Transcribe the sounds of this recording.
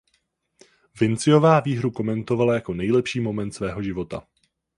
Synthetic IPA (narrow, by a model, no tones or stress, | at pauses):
vɪnt͡sɪjo̞vaːviːɦɾuko̞mɛnt̪o̞valajako̞nɛjlɛpʃiːmo̞mɛnt̪svɛːɦo̞ʒɪvo̞t̪a̰